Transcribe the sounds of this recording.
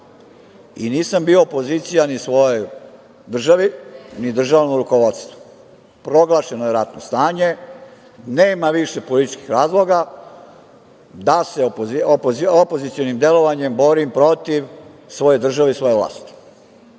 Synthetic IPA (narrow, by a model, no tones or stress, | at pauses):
ḭniːsambioːpo̞zit̪sijanisʋo̞joj | d̪r̩ʒaʋinid̪r̩ʒaːʋnomɾuko̞ʋo̞t̪st̪ʋu̥ | pɾo̞ɡlˠaːʃe̞nojeɾat̪no̞st̪aːɲe̞ | neːmaʋiʃepolit̪i̥t͡ʃki̥xɾaːzlˠo̞ɡa | d̪asepopoopo̞zit̪sio̞nimd̪e̞lo̞ʋaɲe̞mbo̞ɾimpɾo̞t̪iʋ | sʋo̞ːjed̪r̩ʒaʋeisʋo̞jeʋlˠa̰ːst̪i̥